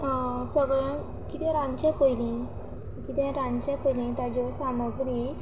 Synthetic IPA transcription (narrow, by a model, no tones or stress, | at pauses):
səɡɭã | kit̪ɛ̃ɾãnt͡ɕɛ̃pəjlĩ | kit̪ɛ̃ɾãnt͡ɕãpəjlĩt̪ad͡ʑɔsaməɡɾi